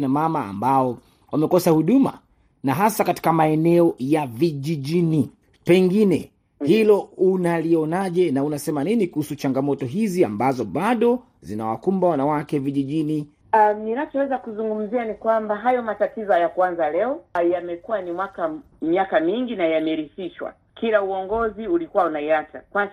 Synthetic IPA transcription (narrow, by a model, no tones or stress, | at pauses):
namama̰ːmbaɔ | wʔamɛkɔsahuɗuma̰ | naɦasakati̥kamaɛnɛɔjaviʄiʄini | pɛŋɡinɛ̰ | hilɔunaliɔnaʄɛnaunasɛmaninikuhusut͡ʃaŋɡamɔtɔɦizia̰mbazɔɓaɗɔ | zina̰wa̰kumbawanawakɛviʄiʄini | aninat͡ʃɔwɛzakuzuŋɡum̩zianikwambaɦajɔmatatizɔjakuanzalɛɔjamɛkuwanimwaka | miakamiŋɡinajamɛɾisiʃwa̰ | kiɾauɔŋɡɔziulikuwaunaiatakwa